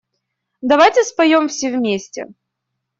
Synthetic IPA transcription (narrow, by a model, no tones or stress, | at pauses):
d̪ɐvajtʲɪspɐjomfsʲevmʲesʲtʲɪ̰